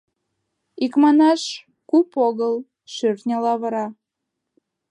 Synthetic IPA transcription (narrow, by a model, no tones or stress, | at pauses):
ikmɑnɑʃ | kupoɣəl | ʃørt̪nʲɑlɑβəɾɑ